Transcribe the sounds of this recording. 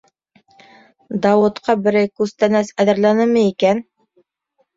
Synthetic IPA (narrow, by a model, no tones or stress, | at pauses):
d̪ɑwɤ̆t̪qɑbɘ̆ɾæjkʉzt̪ænæsæðɘ̆ɾlænɘmɘikæn